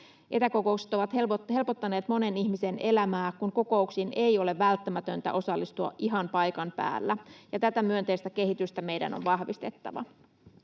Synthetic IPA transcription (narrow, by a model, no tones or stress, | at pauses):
ʔe̞t̪æko̞ko̞ukse̥t̪oʋɑt̪elpoɦe̞lpot̪ːɑne̞ːt̪mo̞ne̞niçmise̞ne̞læmæːkunko̞ko̞uksinʔe̞jo̞le̞ʋːælt̪ːæmæt̪ø̞nt̪æ̰ʔo̞sɑlːist̪uɑ̰ʔʔiɦɑnpɑjkɑmpæ̰ːlːæjɑt̪æt̪æmyø̞nt̪eist̪æke̞ɦit̪yst̪æme̞jdæ̰no̰nʋɑhʋist̪e̞t̪ːɑ̰ʋɑ̰